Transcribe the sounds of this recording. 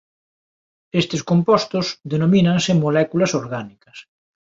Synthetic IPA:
est̪ɪskompɔst̪ʊsðenominɐŋsɪmolɛkulɐsoɾɣanikɐs

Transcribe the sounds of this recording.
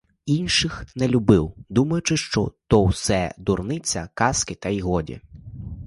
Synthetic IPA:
inʃɪxnɛlʲʊbɪwd̪umɐjʊt͡ʃɪʃt͡ʃɔ̰t̪ɔwsɛ̰d̪ʊrnɪt͡sʲɐ̰kɑskɪt̪ɐiɦɔdʲḭ

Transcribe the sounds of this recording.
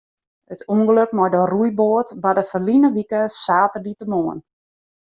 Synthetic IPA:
ətuəŋɡələkmɔjdərujboətbadəfəlinəʋikəsaːtəditəmoən

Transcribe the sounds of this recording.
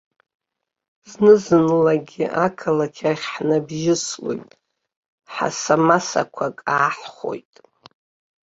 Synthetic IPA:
znɨzɨnlaɡʲiʔakʰalakʲʰaχʲħnabʒɪslo̰jtʼ | ħa̰samasa̰kʷʰakʼaːħχo̞̰jtʼ

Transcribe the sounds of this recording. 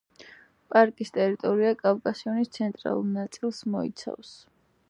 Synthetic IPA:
pʼaɾkʼist̪ʼɛɾit̪ʼɔɾiakʼavkʼasiɔnist̪sʰɛnt̪ʼɾa̰lˠṵɾnat̪sʼilˠsmɔḭt̪sʰa̰fs

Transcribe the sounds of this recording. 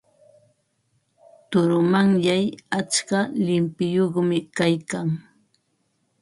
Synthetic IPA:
t̪ʊɾʊmaŋjajat͡ʃkalɪmpɪjoχmɪkajkaŋ

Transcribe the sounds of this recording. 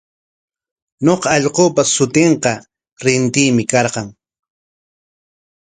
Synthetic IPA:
ɲoqɑːʎqoːpasʊt̪ɪɴqɑ | ɾɪnt̪ɪːmɪkɑɾqɑŋ

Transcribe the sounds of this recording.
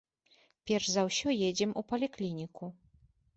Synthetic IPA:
pʲjɛɾʐzawɕɔjɛd͡ʑɛmupɔlʲiklʲiɲʲikʰu

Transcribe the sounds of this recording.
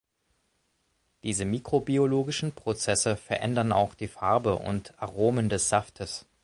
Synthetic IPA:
d̥iːzəmiːkʁ̥obioloːɡɪʃn̩pʁ̥ot͡sɛsəfɛɐʔɛ̰ndɐna̰ʊxd̥iːfaɐbəʔʊ̰ntaʁoːməndɛsz̥aftʰəs

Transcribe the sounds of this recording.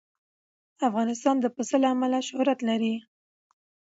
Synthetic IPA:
afɣɑnɪst̪ɑnd̪əpəsəlaːmalaʃʊhɾat̪laɾi

